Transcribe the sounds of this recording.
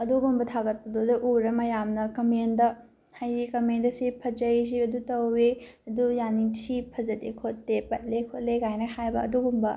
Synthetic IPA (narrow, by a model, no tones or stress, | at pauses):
ɐduɡumbɐt̪ʰaɡɐt̚pɐdodɐʔuɾɐmɐjamnɐkɐmendɐ | hajikɐmendɐsipʰɐd͡ʒɐjs̬iɐdutɐwe | ɐdujanisipʰɐzɐdekʰot̚ːepɐt̚lekʰot̚leɡajnɐhajbɐɐduɡumbɐ